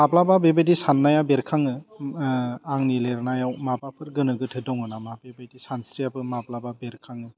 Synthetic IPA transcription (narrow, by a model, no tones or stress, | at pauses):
mablababebajdisanːajabeɾkʰaŋɯ | aŋnileɾnajawmabapʰɯɾɡɯnɯɡɯtʰɯdɔŋɯnamabebajdisansɾijabɯmablababeɾkʰaŋɯ